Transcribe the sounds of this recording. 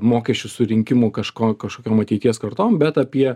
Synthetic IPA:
moːkʲɛsʲt͡ʃʲʊsʊɾʲɪŋʲkʲɪmʊkɐʃkoːkɐʃkoːkʲoːmɐt̪ʲɛɪt̪ʲiɛskɐɾt̪oːmbʲɛt̪ɐpʲiɛ

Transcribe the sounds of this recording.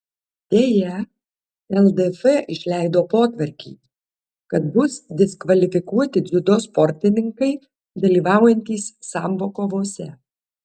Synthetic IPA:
t̪ʲeːjɛ | ɛlˠd̪ɛfɛʔɪʃʲlʲæˑɪd̪oːpoːt̪ʲʋɐɾʲkʲḭː | kɐt̪̚bʊsd̪ʲɪskʋɐlʲɪfʲɪkuɔt̪ʲɪd̪zʲʊd̪oːspɔɾʲt̪ʲɪnʲɪŋkɐɪ | d̪ɐlʲiːʋɑˑʊjɛnʲt̪ʲiːsːɑːmboːkoːʋoːsʲɛ

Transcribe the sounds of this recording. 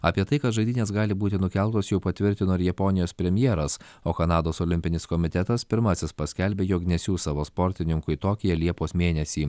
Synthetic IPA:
ɑpʲiɛt̪ɐɪkɐt̪ʒɐɪd̪ʲɪːnʲeːsɡɑːlʲɪbuːt̪ʲɪnʊkʲɛlˠt̪oːsjɛʊpɐt̪ʲʋʲɪɾʲt̪ʲɪnoːɪɾjɛponʲɪjoːspʲɾʲɛmʲjɛːɾɐs | oːkɐnɑːd̪oːsɔlʲɪmʲpʲɪnʲɪskɔmʲɪt̪ʲɛt̪ɐspʲɪɾmɐsʲɪspɐsʲkʲɛlʲbʲeːjoːknʲɛsʲuːsɑːʋoːspɔɾʲt̪ʲɪnʲɪŋkʊɪt̪oːkʲɪjɛlʲiɛpoːsmʲeːnʲɛsʲiː

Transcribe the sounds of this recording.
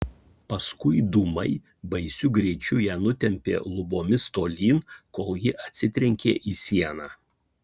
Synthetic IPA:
pɐskʊɪd̪umɐɪ | bɐɪsʲʊɡɾʲɛɪt͡ʃʲʊjæːnʊt̪ʲɛmʲpʲḛːlˠʊboːmʲɪst̪oːlʲiːnkoːlˠjɪʔɐt̪ʲsʲɪt̪ʲɾʲɛŋʲkʲḛːʔiːsʲiɛnɑː

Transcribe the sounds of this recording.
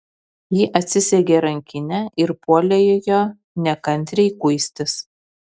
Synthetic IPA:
jiːʔɐt̪ʲsʲɪsʲɛɡʲeːɾɐŋʲkʲɪnʲɛʔɪɾpuɔlʲɛjoːjoː | nʲɛkɐnʲt̪ʲɾʲɛɪkʊɪsʲt̪ʲɪs

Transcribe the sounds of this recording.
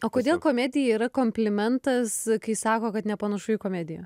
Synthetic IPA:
oːkoːd̪ʲeːlˠkoːmʲæːd̪ʲɪjɛiːɾɐkoːmʲpʲlʲɪmʲɛnt̪ɐskɐɪsɑːkoːkɐt̪nʲɛpɐnɐʃʊjɪkoːmʲæːd̪ʲɪjo̰ː

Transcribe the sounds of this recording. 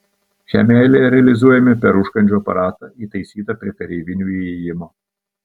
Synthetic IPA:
ʃʲæ̰ːmʲɛlʲɪɾʲɛɐlʲɪzuɔjɛmʲɪpʲɛɾʊʃkɐnʲd͡ʒʲuɐpɐ̰ɾɑːt̪ɐiːt̪ɐɪsʲiːt̪ɐpʲɾʲiɛt̪ɐɾʲiːʋʲɪnʲuiɛjɪmoː

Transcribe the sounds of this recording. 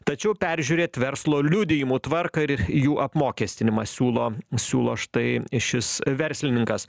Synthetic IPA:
t̪ɐt͡ʃʲɛʊpʲɛɾʲʒʲuːɾʲeːt̪ʋʲɛɾslˠoːlʲʊd̪ʲɪjɪmuːt̪ʋɐrkɐɪɾjuːʔɐpmoːkʲeːsʲt̪ʲɪnʲɪmɐsʲuːlˠoːsʲuːlˠoːʃt̪ɐɪʃʲɪsʋʲɛɾʲsʲlʲɪnʲɪŋkɐs

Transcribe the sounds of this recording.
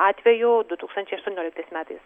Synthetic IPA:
ɑːt̪ʲʋʲɛjud̪ʊt̪uːkst̪ɐnʲt͡ʃʲɛɪɐʃt̪ʊɔnʲɔːlʲɪkt̪ɐɪsmʲæːt̪ɐɪs

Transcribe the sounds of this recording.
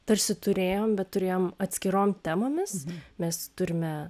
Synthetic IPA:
t̪ɐɾʲsʲɪt̪ʊɾʲeːjoːmbʲɛt̪t̪ʊɾʲeːjoːmɐt̪ʲsʲkʲɪɾoːmt̪ʲæːmoːmʲɪsmʲɛst̪ʊɾʲɪmʲɛ

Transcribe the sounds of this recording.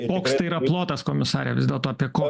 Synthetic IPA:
koːkst̪ɐɪiːɾɐplˠoːt̪ɐskoːmʲɪsɑːɾʲɛʋʲɪzd̪ʲeɛlˠt̪oːɐpʲiɛkoː

